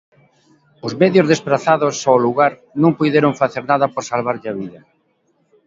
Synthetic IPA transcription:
ʊzmeðjʊzðespɾaθaðʊsaluɣaɾ | nõŋpujðeɾoŋfaθeɾnaðɐpoɾsalβaɾʎɪɐβiðɐ

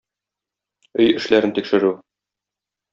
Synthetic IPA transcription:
ɵjɘ̆ʃlæɾɘnt̪ikʃɘ̆ɾʉ

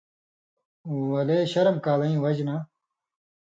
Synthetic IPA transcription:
wɐleːɕɐɾɐmkaːlɐĩwɐd͡ʑna

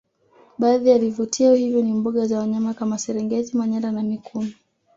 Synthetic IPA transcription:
ɓaːðialivutʰiahivjɔnimbɔɠazawaɲamakamasɛɾɛŋɡɛzimaɲaɾanamikʰumi

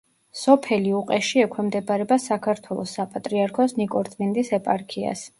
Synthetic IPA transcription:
sɔpʰɛliuqʼɛʃiɛkʰwɛmd̪ɛbaɾɛbasakʰaɾt̪ʰwɛlˠɔ̰sːapʼat̪ʼɾiaɾkʰɔsnikʼɔɾt̪ʰʼmind̪isɛpʼaɾkʰia̰s

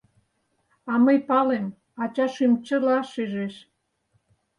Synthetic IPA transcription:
ɑməjpɑlem | ɑt͡ɕɑʃymt͡ɕə̆lɑʃeʒeʃ

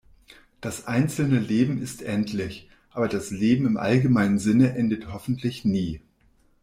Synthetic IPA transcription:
d̥asʔaɪnt͡sl̩nəleːbm̩ɪstʔɛntʰlɪç | ʔaːbɐdasleːbm̩ɪmʔa̰lɡəmaɪnənzɪnəʔɛndəthɔfn̩tʰlɪçniː

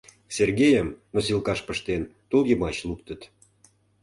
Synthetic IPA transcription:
serɣʲejəmnosilˠkɑʃpəʃt̪ent̪uljəmɑt͡ɕlukt̪ə̆t̪

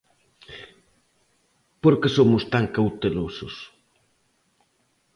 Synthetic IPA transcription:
poɾkesomʊst̪aŋkawt̪elosʊs

